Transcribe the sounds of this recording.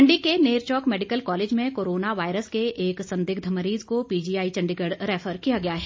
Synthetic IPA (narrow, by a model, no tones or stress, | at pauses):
ɳɖikeneːɾt͡ʃɔːkmɛːɖɪkəlkɔːleːd͡ʒmẽkoːɾoːnaʋaːɪɾəskeʔeːksɐ̃nd̪ɪɡ̚d̪ʱɐməɾiːzkopiːd͡ʒiːaːit͡ʃɐ̃ɳɖiɡəɖɾɛːfʰəɾkijaɡɐjaɦɛː